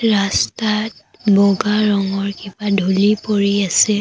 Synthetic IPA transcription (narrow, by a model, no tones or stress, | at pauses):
ɹastat̚ | bɔɡaɹɔŋɔɹkibadʱulipoɹiasɛ